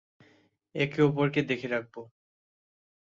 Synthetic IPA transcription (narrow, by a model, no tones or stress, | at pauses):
ekiop̬oɾked̪ekʰeɾak̚bo